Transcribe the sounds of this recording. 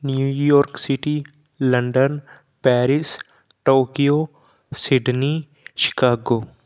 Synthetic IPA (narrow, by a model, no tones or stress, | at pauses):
njuːjɔːɾksɪʈi | ləɳɖən | pɛːɾɪs | ʈoːkijoː | sɪɖni | ʃɪ̥kaːɡoː